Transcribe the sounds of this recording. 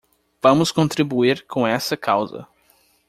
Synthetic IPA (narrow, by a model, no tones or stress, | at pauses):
v̥ɐ̃mʊskõnt̪ɾibuiɾkʰõɛsɐkʰawzɐ̰